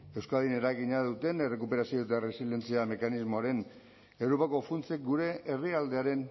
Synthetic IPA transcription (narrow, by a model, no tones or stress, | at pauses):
e̞wskaðine̞ɾajɣiɲaðut̪e̞ne̞re̞kupe̞ɾasio̞ðut̪̬eare̞sile̞nt͡siame̞kanizmo̞aɾe̞n | e̞wɾo̞pako̞funt͡sek̚ɡuɾe̞ʔːriald̪e̞aɾe̞n